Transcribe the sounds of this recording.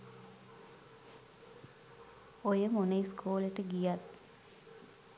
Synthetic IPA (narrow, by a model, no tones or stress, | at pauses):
ojəmunəjskʰuːleʈəɡijat̪̚